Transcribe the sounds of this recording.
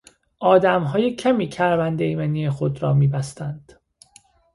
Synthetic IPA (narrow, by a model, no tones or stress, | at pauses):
ʔɒːd̪æmɦɒːjecʰæmiːcʰæɾvænd̪eimeniːjexod̪ɾɒːmiːbæst̪ænd̪̥